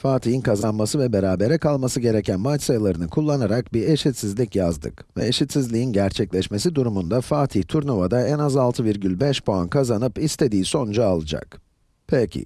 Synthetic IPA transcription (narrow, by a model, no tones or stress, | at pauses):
faːt̪ʰijinkʰazanmasɯvɛbe̞ɾaːbe̞ɾɛkalˠmasɯɟe̞ɾe̞cʰænmat͡ʃsajlˠaɾɯnɯkʰulˠːanaɾak̚biɾeʃit̪sizlʲicjazd̪ɯ̰k | vɛeʃit̪sizlʲiinɟæɾt͡ʃʰɛclʲɛʃme̞s̬id̪uɾumund̪afaːt̪ʰiht̪ʰuɾnovad̪aɛnazalˠt̪ʰɯviɾɟylʲbɛʃpoankʰazanɯpist̪ʰe̞d̪iːso̞nd͡ʒaːlˠɯd͡ʒa̰k | pʰecʰḭ